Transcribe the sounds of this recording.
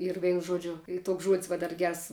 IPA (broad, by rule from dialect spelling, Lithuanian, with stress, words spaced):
ɪr ˈʋʲɛɪnʊ ˈʒuɔd͡ʒʲʊ ˈiː ˈtuɔks ʒuɔtʲsʲ ˈʋɐ dɐr ˈɡʲɛrs